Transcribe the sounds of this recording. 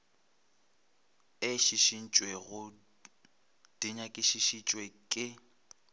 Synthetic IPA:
ɪʃiʃin̩t͡ʃʼweɣʊ | d̥iɲakʼɪʃiʃit͡ʃʼwekʼɪ

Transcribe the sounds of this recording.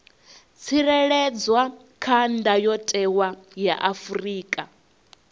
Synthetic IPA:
t͡sʰiɾɛɺɛd͡zwa | kʰandʱajɔtʼɛwajaʔafuriːkʼa

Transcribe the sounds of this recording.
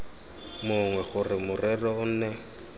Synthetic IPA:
mʊŋwɛχʊrɪmʊrɛrɔʊn̩ːnɛ

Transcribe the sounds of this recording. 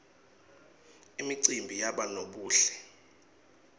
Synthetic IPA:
imiǀimbʱijaɓanoɓuːɬɛ̥

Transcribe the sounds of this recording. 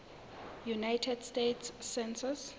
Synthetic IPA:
junajtʰɛdstetʰsːɛnsɔs

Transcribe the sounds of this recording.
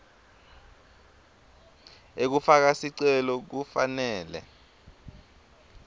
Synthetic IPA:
ek̬ufak̬asiǀɛlɔk̬ufa̰nɛːlɛ̰

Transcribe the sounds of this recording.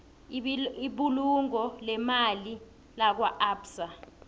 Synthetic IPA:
iɓuluŋɔlɛmali | lak̬waʔaːbsa

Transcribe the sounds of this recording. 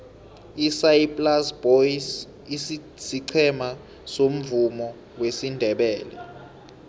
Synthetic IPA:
isajipʼlasb̥ois | is | siǀʰɛma | som̩vumɔ | wesindʱɛɓɛːlɛ̰

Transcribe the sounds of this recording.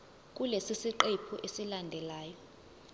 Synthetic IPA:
k̬ʼulesisiǃepʰuʔesilandʱɛlaːjɔ

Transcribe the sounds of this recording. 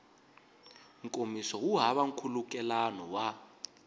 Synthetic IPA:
ŋkʼomisɔwuɦaβaŋ̩kʰulukʼɛlanɔwa

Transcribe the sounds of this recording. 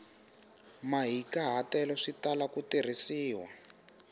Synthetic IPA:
maɦikaɦatɛlɔʂitalakutir̤isiːwa

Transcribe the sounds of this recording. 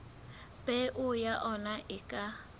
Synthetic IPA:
bʼɛʔʊjaʔɔnaʔɪkʼa

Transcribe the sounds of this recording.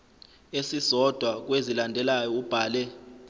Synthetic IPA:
esisɔd̥ʱwak̬ʼwezilandʱɛlajɔub̥ʱaːlɛ

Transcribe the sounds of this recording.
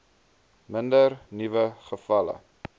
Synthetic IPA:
məndərnivəχəfɐlə̰

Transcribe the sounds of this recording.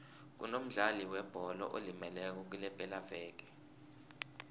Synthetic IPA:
k̬ṵnom̩ɮaliwɛb̥ʱɔlɔ̰ʔolimɛlɛk̬ɔk̬ulɛpʼɛlavɛːk̬ɛ̥

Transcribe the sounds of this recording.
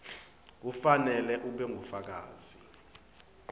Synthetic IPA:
k̬ufanɛlɛʔuɓɛŋʱufak̬a̰ːz̥i

